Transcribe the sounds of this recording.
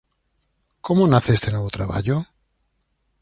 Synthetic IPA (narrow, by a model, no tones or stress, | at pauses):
komonaθest̪enoβot̪ɾaβa̰ʎo